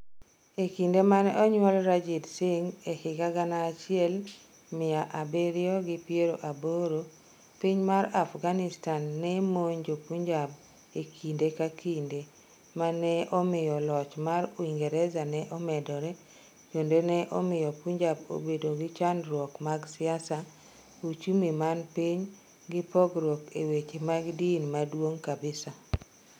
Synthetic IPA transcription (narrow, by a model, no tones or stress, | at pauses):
ekindemanɛɔɲwɔlɾad͡ʒidsɪŋehɪɡaɡanaːt͡ʃɪɛl | mɪjaʔabeɾɪjɔɡɪpjeɾoʔaboɾo | piɲmaɾafɡanɪstanːɛmoɲd͡ʒopuɲd͡ʒab | ekʰindekakinde | manɛʔɔmɪjɔlɔt͡ʃmaɾoiŋɡɛɾɛzanɛʔɔmɛdɔɾɛ | t͡ʃondenɛʔɔmɪjɔpuɲd͡ʒabo̰bedoɡɪt͡ʃanɾwɔkmaɡsɪasa | ut͡ʃumemanpiɲ | ɡɪpɔɡɾwɔkewet͡ʃemaɡdinmadwoŋkabɪsa